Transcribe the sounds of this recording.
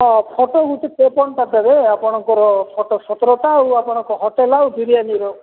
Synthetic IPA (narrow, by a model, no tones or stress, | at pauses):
ɦɔpʰɔʈoɡut̪et̪epɔɳʈat̪ɔɾeapɔɽ̃ɔŋkɔɾɔpʰɔʈosɔt̪ɾɔʈawapɔɽ̃ɔŋkɔɦɔʈelawd̪uɾijaniɾɔ